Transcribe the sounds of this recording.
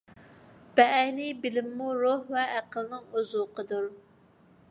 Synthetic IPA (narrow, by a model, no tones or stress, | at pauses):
b̥ɛʔɛjnɪbɪlɪmːuɾohvɛːqəlˠnɨŋozuqʰəd̪uɾ